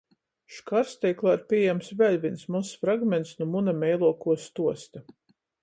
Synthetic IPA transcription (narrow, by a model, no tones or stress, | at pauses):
ʃkaɾst̪ʲɛjklˠaɾpʲiɛjɛmsvʲɛlʲvʲinsmusfɾaɡmʲɛnt̪snumunamʲɛjlˠuɔkuɔst̪uɔst̪a